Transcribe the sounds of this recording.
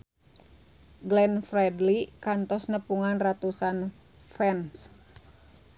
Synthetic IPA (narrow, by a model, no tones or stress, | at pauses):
ɡlɛnfɾɛdlikant̪ɔsnəpuŋanrat̪usan | fɛns